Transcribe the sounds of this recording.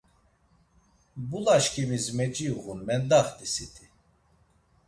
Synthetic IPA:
bulaʃkʰimizmɛt͡ʃʼiuɣunmɛnd̪aχt̪ʼisit̪ʰi

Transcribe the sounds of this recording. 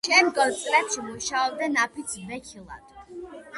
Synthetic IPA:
ʃɛnɡɔzt̪ʼɾɛpʃimuʃaɔb̚d̪anapʰit̪sʰbɛkʰilˠa̰d̪̥

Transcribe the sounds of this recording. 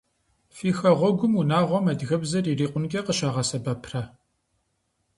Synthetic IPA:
fiːxɐʁʷɔɡʷʊmunaːʁʷɔmɐdɣɐbzɐririːqʷʊnkʲʼɐqəʃaːʁɐsɐbɐpʰrɐ

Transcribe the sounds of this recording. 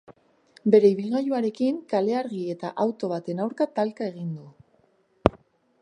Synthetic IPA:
be̞ɾe̞iβ̞ilɣajuaɾe̞kiŋkale̞aɾɣie̞t̪a̰ʔawt̪o̞β̞at̪e̞nawɾkat̪alkae̞ɣind̪u

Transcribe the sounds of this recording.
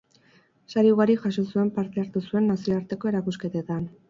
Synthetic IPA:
saɾiuɣaɾiʝaso̞sue̞mpaɾt̪e̞aɾt̪usue̞nːasioaɾt̪e̞ko̞e̞ɾakuske̞t̪et̪an

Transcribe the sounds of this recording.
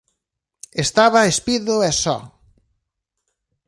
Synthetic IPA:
est̪aβaespiðʊɛsɔ̰

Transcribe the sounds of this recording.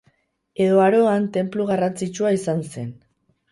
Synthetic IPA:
e̞ðo̞aɾo̞ant̪e̞mpluɣarant͡sit͡ʃuaisanse̞n

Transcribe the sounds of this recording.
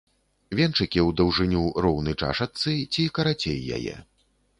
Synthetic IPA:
vʲɛnt͡ʂɨkʲiwd̪ɐwʐɨnʲuɾɔwnɨt͡ʂa̰ʂɐt̪sɨt͡sʲikɐɾat͡sʲḛjːa̰jɛ̰

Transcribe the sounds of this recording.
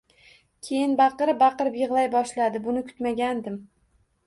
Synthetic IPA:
kʲʰe̞jɪnbɑqɨɾɪp̚bɑqɨɾɪpjɨʁlˠajbɒʃlad̪ɪbʊnɪkʰʊ̥t̪maɡʲand̪ɪm

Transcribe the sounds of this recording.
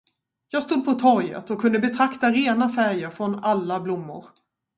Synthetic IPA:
jɑːɡst̪ud̪̚pʰɔt̪ʰɔɾjə̰t̪ɔkʰːɵnd̪əbɛt̪ʰɾakt̪aɾeːnafæɾjəɾfɾɔnalːablʊmːʊ̰ɾ

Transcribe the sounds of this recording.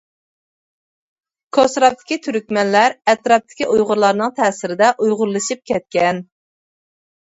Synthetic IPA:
kʰosɾɑt̪ʰːɪ̥kʲit̪ʰyɾykʲmɛnlæɾɛt̪ɾɑp̚t̪ʰɪ̥kʲiʔujʁʊɾlˠɑɾnɨŋt̪ʰɛːsɪɾɪd̪ɛʔujʁʊɾlˠɨʃip̚kʲɛt̪̚kʲɛn

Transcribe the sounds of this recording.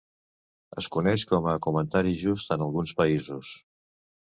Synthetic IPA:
ə̰skunɛʃkɔməkumənt̪aɾiʒust̪ənəlˠɣunspəizus

